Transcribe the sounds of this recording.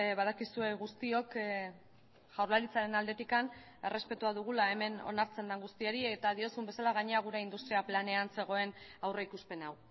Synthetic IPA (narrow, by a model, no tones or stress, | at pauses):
βað̞akisue̞ɣust̪io̞k | ʝawɾlaɾit͡saɾe̞nald̪e̞t̪ikan | e̞re̞spe̞t̪uaðuɣ̞ulae̞me̞no̞̰naɾt͡se̞nd̪aŋɡust̪ieɾiet̪aðio̞sumbe̞salaɣaɲeaɣ̞uɾe̞ind̪ust̪ɾiaplane̞anse̞ɣ̞o̞e̞nawreikuspe̞naw